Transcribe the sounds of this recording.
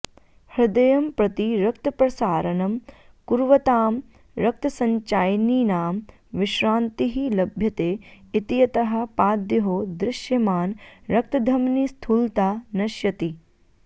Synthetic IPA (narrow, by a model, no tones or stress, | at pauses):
hɾɪd̪ɐjɐmpɾɐt̪iɾɐkt̪ɐpɾɐsaːɾɐnɐm | kuɾʋɐt̪aːm | ɾɐk̚t̪ɐsɐɲt͡ʃaːjniːnaːm | ʋɪʃɾaːnt̪iɦilɐbʱjɐt̪eːit̪ijɐt̪ɐɦɐ̆paːd̪jɐɦoːd̪ɾɪʃjɐmaːnɾɐk̚t̪ɐd̪ʱɐmnist̪ʰult̪aːnɐʃjɐt̪i